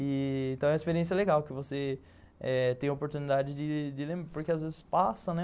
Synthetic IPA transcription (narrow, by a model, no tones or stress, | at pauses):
iẽt̪ɐ̃ɛɐispeɾiẽs̬jɐleɡawkɪvose | ɛt̪ẽj̃ɐopoɾt̪unid̪ad͡ʒɪd͡ʒɪd͡ʒɪlẽmbɾɐpoɾkɪazvezɪspasɐ̃nɛ